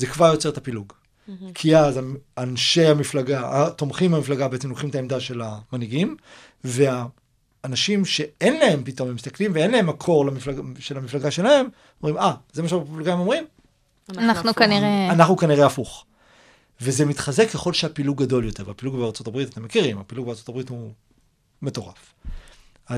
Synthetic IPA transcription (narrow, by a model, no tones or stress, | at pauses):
ze̞kvaʁjo̞t͡se̞et̪ʰapiluɡ | kʰiazaanʃe̞amiflaɡaat̪o̞mχimhamiflaɡabeet͡semloχimt̪aemd̪aʃe̞lamaniɡim | ve̞aː | naʃimʃe̞enlae̞mpito̞memist̪aklimveenlae̞mːakʰo̞ʁlamiflaɡʃelamiflaɡaʃe̞lae̞m | omʁimazemaʃaflɡaimo̞mʁim | nanukaniʁeanaχnukaniʁeafuχ | ve̞ze̞mit̪χazekːeχo̞lʃeapiluɡːado̞ljo̞te̞ʁvapiluɡbeaʁt͡so̞tabʁit̪at̪e̞mːe̞kiʁimapiluɡ̚beaʁt͡so̞t̪abʁithu | me̞to̞ʁaf | a